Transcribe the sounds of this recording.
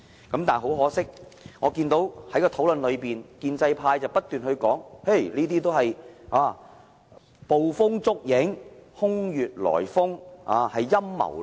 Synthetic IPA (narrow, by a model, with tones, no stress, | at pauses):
kɐ˨˥mt̪aː˨˩nɦo˨˥wɦɔː˨˥sɪ˥k̚ŋɔː˨˧kiː˧nt̪o˨˥whɐ˨˥jkɔː˧t̪ʰo˨˥wlɵ˨˧nlɵ˨˧ɥpiː˨nkiː˧nt͡sɐ˧jpʰaː˧jt͡sɐ˨wpɐ˥t̚t̪ːyː˨nhɵ˧ɥkɔː˨˥ŋhe˥˩jliː˥t̪iː˥t̪̬o˥wɦɐ˨jʔaː˨˧˩ | po˨wfʊ˥ŋt͡sʊ˥k̚jɪ˨˥ŋhʊ˥ŋjyː˨t̚lɔ̰ː˨˩jfʊ˥ŋa̰ː˨˧hɐ˨jːɐ˥mːɐ̰˨˩w